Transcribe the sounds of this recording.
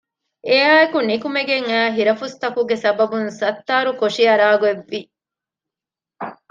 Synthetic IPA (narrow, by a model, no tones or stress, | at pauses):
eaːekunikumeɡeŋæːɦiɾɐfust̪ɐkuɡesɐbɐbunsɐt̪ːaːɾukoʂiɐɾaːɡueʋːi